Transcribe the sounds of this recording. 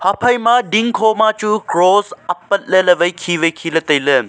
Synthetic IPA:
hɐpʰɐjmaɖiŋkʰoːmaːt͡ʃukɾoːsɐpːɐt̪̚ləlɐʋɐjkʰiːʋɐjkʰiːlət̪ɐjlə

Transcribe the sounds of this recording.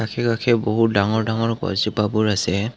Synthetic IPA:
akʰɛkakʰɛboɦut̚daŋɔɹdaŋɔɹɡɔ̰zipabuɹasɛ

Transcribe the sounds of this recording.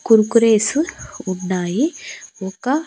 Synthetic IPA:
kuɾkuɾesuuɳːajiɔka

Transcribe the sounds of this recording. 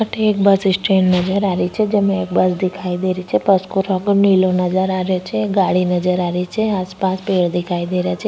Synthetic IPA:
aʈeːk̚bəsisʈɾennəd͡ʒəɾaɾit͡ʃʰed͡ʒemãek̚bəsd̪ikʰaid̪eɾit͡ʃʰepəskoɾəɡnilonəd͡ʒəɾaɾjot͡ʃʰeɡaɭinəd͡ʒəɾaɾit͡ʃʰeaspaspeɭd̪ikʰaid̪eɾjat͡ʃʰe

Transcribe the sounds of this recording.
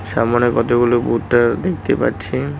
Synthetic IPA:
samanekɔt̪oɡulobutːaɾd̪ekʰt̪epa̰tːt͡ɕʰi

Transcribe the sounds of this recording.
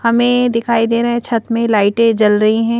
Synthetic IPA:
hɐmẽd̪ɪkʰaːid̪eːɾaɦɛ̃t͡ʃʰɐt̪mẽlaːɪʈẽd͡ʒɐlɾɐɦiɦɛ̃ː

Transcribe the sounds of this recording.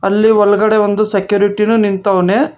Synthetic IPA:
ɐlːiʋɔɭɐɡɐɽeʋond̪usekjuːɾiʈinunint̪ɐʋɐneː

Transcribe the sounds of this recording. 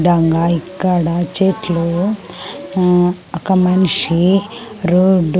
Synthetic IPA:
d̪aːŋɡaːikːɐɽɐt͡ʃeːʈlu | ɔkɐmɐniʂi | ɾuɖ

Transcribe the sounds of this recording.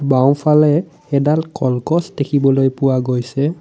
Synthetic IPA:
baw̃pʰalɛ | ɛdalkɔlkɔsdekʰibɔlojpʊwaɡojsɛ

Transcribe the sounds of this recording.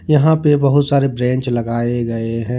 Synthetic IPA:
jɐɦãpebɐɦʊt̪saːɾebɾɛ̃ːɲt͡ʃlɐɡaːeɡɐeɦɛ̃ː

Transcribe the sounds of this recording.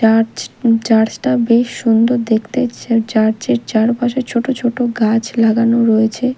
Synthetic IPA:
aɾt͡ɕt͡ɕaɾd͡ʑʈabeʃːund̪oɾd̪ekʰt̪et͡ɕaɾt͡ɕeɾt͡ɕaɾpaʃet͡ɕʰoʈot͡ɕʰoʈoɡat͡ɕʰlaɡanoɾojet͡ɕʰe

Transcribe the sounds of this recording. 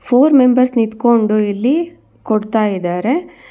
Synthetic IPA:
pʰoːɾmembɐɾsnit̪koɳɖuilːi | kɔɽt̪aːjid̪aːɾe̞

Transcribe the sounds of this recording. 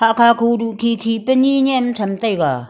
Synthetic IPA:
haʔkʰaːkʰuduʔkʰikʰipəniɲɛmt͡sʰamt̪ajɡa

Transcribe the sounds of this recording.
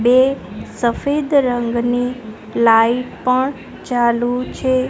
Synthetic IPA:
besəfed̪ɾəŋɡni | laiʈpəɳ | t͡ʃalut͡ʃʰe

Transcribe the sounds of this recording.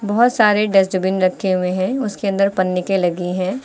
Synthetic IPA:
bɐɦʊt̪saːɾeɖɐs̬d͡ʒʊbɪnɾɐkʰːeɦʊẽɦɛ̃ʊskeɐ̃nd̪əɾpɐnːɪkelɐɡiɦɛ̃ː

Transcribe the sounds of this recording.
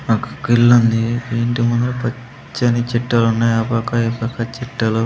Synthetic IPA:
ɐkɐ̥kilːɐnd̪ieːɳʈimund̪ɐlupɐ | t͡ʃːɐnit͡ʃiʈːɐlunːaːjɐpɐkɐipɐkɐt͡ʃiʈːɐlu

